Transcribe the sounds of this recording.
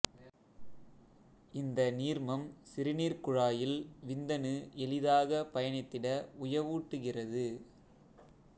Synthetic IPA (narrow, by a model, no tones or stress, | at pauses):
ɪnd̪ɐniːɾmɐmsɪɾɪniːɾkʊɻaːjɪlʋɪnd̪ɐnɯʔɛlɪðaːɣɐpɐjɐɳɪt̪ːɪɽɐʊjɐʋuːʈːɯɣɪrɐðɯ